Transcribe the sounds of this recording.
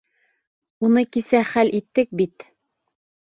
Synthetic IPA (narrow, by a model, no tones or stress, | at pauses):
unɤkisæχælʔit̪ːɘk̚bit̪